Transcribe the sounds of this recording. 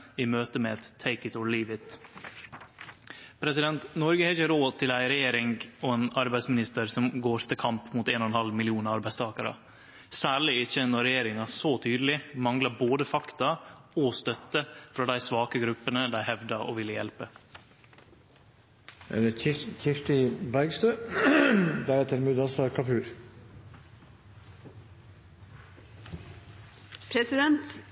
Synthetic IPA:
iːmøːt̪əmɛɛt̪ʰːeɪkət̪ɔliːʋɪt̪ | pʰɾɛsɪd̪ɛnt̪nɔɾɡəhɛɪçəɾoːd̪̚t̪ʰɪlæɪɾɛjeːɾɪŋɔeːnɑɾbæɪsmɪnɪst̪əɾsɔmɡoːɾt̪ʰɪlkʰɑmpmut̪eːnɔɛnhɑlmɪlɪuːnɑɑɾbæɪst̪ʰɑːkəɾə̰ | sæːɭɪɪçənɔɾɛjeːɾɪŋɑsɔt̪ʰyːd̪əlɪmɑŋlɑboːd̪əfɑkt̪ɑɔst̪œt̪ːəfɾɑd̪æɪsʋɑːkəɡɾʉpːənəd̪æɪhɛʋd̪ɑo̰ʋɪlːəjɛlpə | ɪçɪʂʈɪbæɾɡst̪øː | d̪æɾɛt̪ːəɾmʉːd̪ɑsɑkʰɑpʉːɾ | pʰɾɛsɪd̪ɛnt̪

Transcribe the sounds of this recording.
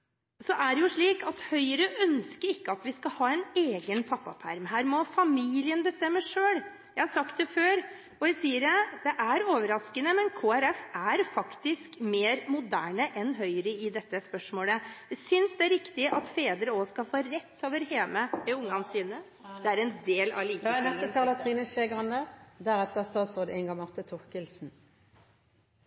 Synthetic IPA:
sɔʔæɖɛjʊʂɭiːkɑt̪hœʏɾəʔœnskəɾɪkːəɑt̪ʋɪskɑhɑːɛneːɡənpʰɑpːɑ̰pʰæ̰ɾmɦæːɾmɔfɑmiːlɪənbəst̪ɛmːəʂøːl | jæɪhɑsɑkt̪̚d̪ɛføːɾ | ɔjæsiːəɾd̪ɛʔæɾoːʋəɾɑskənəmɛnkʰoːɛɾɛfæɾfɑkt̪ɪskmeːɾmʊd̪æːɳəʔɛnɦœʏɾəɪd̪ɛt̪ːəspœʂmoːləsʏnsd̪ɛæɾɪkt̪ɪʔɑt̪feːd̪əɾəoːskɑfoːɾɛt̪ʰːoːʋəɾheːməɛʊŋːɑnsiːnə | d̪ɛæɾɛnd̪eːlɑ̰liːknɛst̪ət̪ʰɑːlɑt̪ʰʁiːnəʃeːɡʁɑnd̪əd̪æɾɛt̪ːəst̪ɑːd̪soːd̪əʔɛŋɡɑŋmɑʁt̪ət̪ʰʊʁkəlsn̩

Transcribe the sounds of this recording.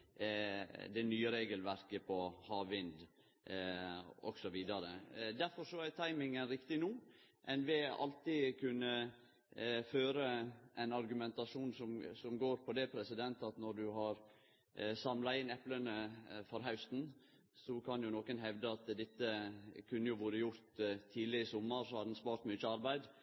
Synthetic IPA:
d̪ɛnyːəɾeːɡəlʋæɾkəpʰɔhɑːʋɪnd̪ | ɔ̰ɡ̥sɔʋiːd̪ɑɾəd̪æɾfɔɾʂɔæt̪ʰɑɪmɪŋənɾɪkt̪ɪnuː | ʔɛnʋɪɑ̰lt̪ɪkʰʉnːə | føːɾəʔɛnɑɾɡʉmɛnt̪ɑʂuːnsɔmsɔmɡoːɾpʰɔd̪ɛpʰɾɛsɪd̪ɛnt̪ɑt̪nɔɖ̪ʉɦɑɾ | sɑmlɑɪnɛplənəfɔɾɦɑʉst̪n̩ | sɔkʰɑnjʊnokənɦɛʋd̪əɑt̪d̪ɪt̪ːəkʰʉnːəjʊʋʊːɾəjʊɾt̪ʰːiːlɪɪsɔmːəɾsɔhɑd̪nspɑːɾt̪myːt͡ʃːəɑɾbæɪd̪

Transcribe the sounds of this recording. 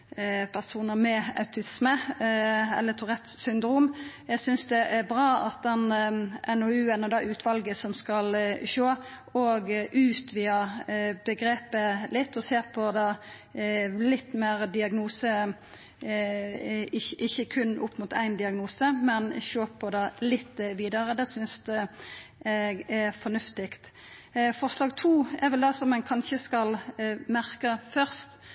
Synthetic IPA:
pʰæʁsuːnəmɛɑ̰ʉt̪ʰɪsmə | ɛ̰lːət̪ʰʊʁɛt̪ssʏnd̪ɾuːmjæɡsʏnsd̪ɛʔæɾbɾɑːɑ̰t̪̚d̪ɛnʔɛnɔʉːɛnɔd̪ɑʔʉːt̪ʰʋɑlɡəsɔmskɑlʃoː | oːɡʔʉːt̪ʰʋiːəbəɡɾeːpəlɪt̪ːɔseːɾpʰɔd̪ɑ | lɪt̪ːmeːɾd̪ɪɑɡnuːsə | ɪʔɪçːəkʰʉnːʔʊpːmʊt̪ʰæɪnd̪ɪɑɡnuːsəmɛnçoːpʰɔd̪ɑlɪt̪ːʋiːd̪əɾəd̪ɛːsʏnsd̪ʉ | ɛɡɛfɔnʉft̪ɪkt̪ | fɔʁslɑːɡt̪ʰuːɛɾʋɛld̪ɛsɔmːɛnkʰɑnçəskɑlmæʁkəfœʁst̪

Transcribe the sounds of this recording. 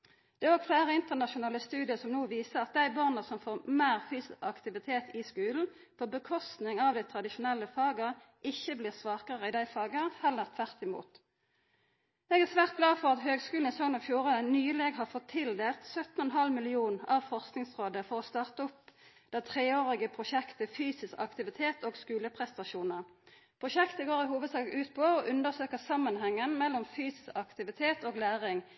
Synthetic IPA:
d̪̥ɛæʁɔːɡfleːʁəɪnt̪əʁnɑʃʊnɑːləst̪ʉːd̪ɪəsɔmnuːʋiːsəʁɑt̪̚d̪æɪbɑʁnəsɔmfoːʁmeːʁfyːsɑkt̪ɪʋɪt̪ʰeːt̪ɪskʉːln̩ | fɔʁbəkʰɔst̪nɪŋɑʋd̪æɪt̪ʰʁɑd̪ɪʃʊnɛlːəfɑːɡəʁ | ʔɪçːəbliːʁsʋɑːkəʁəɪd̪æɪfɑːɡəhɑləʁt̪ʰʋæʁt̪ɪmṵːt̪ | ɛːɡæʁsʋæːʁt̪̚ɡlɑːfɔʁɑt̪høːɡskʉːln̩ɪsɔŋənɑʋfjuːʁənyːəleːɡɦɑːʁfɔt̪ʰːɪld̪eːlt̪sœt̪nɔɛnɦɑlmɪlɪuːnɑʋfɔʁsknɪŋsʁoːd̪əfɔʁɔst̪ɑːʁt̪əɔpd̪̥æɪt̪ʰʁeːoːʁɪɡəpʰʁʊʃɛkt̪əfyːsɪskɑ̰kt̪ɪʋɪt̪ʰeːt̪ʰoːɡskʉːləpʰʁɛst̪ɑʃuːnəʁpʰʁʊʃɛkt̪əɡoːʁɪhuːʋəd̪sɑːɡʉːt̪pʰɔoʔʉnd̪əʁsøːkəsɑmːənɦɛŋːənmɛlɔmfyːsɪ̥skɑkt̪ɪʋɪt̪ʰeːt̪oːɡlæːʁɪŋ

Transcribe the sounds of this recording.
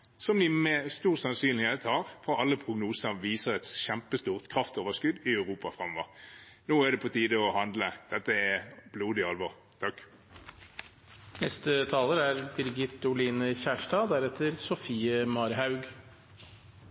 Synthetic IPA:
sɔmd̪ɪmɛst̪uːʁsɑnsyːnlɪheːt̪hɑːʁfoːʁɑlːəpʰʁʊɡnuːsəʁʋiːsəʁɛt̪sɕɛmpəst̪uːʁt̪kʰʁɑft̪oːʋəʁskʉd̪ɪœʉʁuːpɑfʁɑmɔʋəʁ | noːæd̪ɛpʰɔt̪ʰiːd̪əɔhɑnd̪ləd̪̥ɛt̪ːəɛb̥luːd̪ɪɑlʋɔʁ | t̪ʰɑkː | nɛst̪ət̪ʰɑːləɾæɾd̪ɪɾɪɡɪt̪ːʊliːnəçæːʂʈɑːd̪æɾɛt̪ʰːəɾsɔfiːəmɑɾɦɑʉɡ

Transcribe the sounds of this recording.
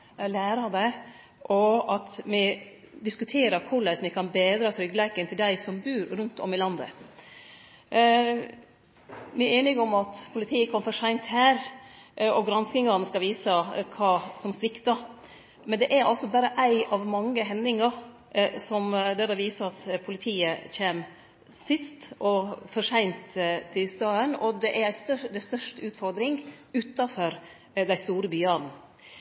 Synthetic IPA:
læːɾɑd̪æɪ | ʔɔɑt̪mɪ | d̪ɪskʉt̪ʰeːɾəɾkʰʊɾɭæɪsmɪkʰɑnbeːd̪ɾɑt̪ʰɾʏɡlæɪkənt̪ʰɪld̪æɪsɔmbʉːɾɾʉnt̪ʰɔ̰mɪlɑnd̪ə̰ | mɪæɾeːnɪɡɔmɑt̪pʰʊlɪt̪ʰiːəkʰɔməfɔʂæɪnt̪hæːɾ | ɔɡɾɑnskɪŋɑɾnəskɑʋiːsəkʰɑːsɔmsʋɪkt̪ɑ | mɛnd̪ɛʔæɾɑ̰lsɔbæːɾəʔæɪɑʋmɑŋːəɦɛnːɪŋɑɾ | sɔmd̪ɛd̪ɑʋiːsəɾɑt̪pʰʊlɪt̪ʰiːəçeːm | sɪst̪ʔɔfɔʂæɪnt̪ʰːɪst̪ɑːənɔd̪ɛʔæɾæst̪œd̪æst̪œʂtʉːt̪fɔɾd̪ɾɪŋʉːt̪ɑfɔɾ | d̪æɪst̪uːɾəbyːɑn̩

